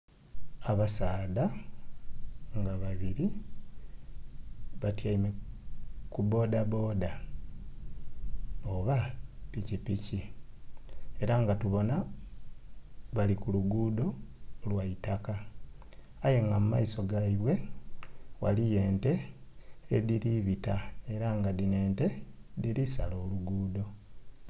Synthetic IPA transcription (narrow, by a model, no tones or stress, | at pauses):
aβasaːda | ŋɡaβaβiɾi | βatjaime | kubo̞ːdabo̞ːda | oβapicipici | e̞ɾaŋɡatuβo̞na | βalikuluɡuːdo̞lwaitaka | aje̞ŋɡamumaiso̞ɡaiβwe̞ | wa̰lije̞ːnte̞ː | ðiɾiβitae̞ɾaŋɡadine̞ːnte̞ðiɾisalo̞ːluɡuːdo̞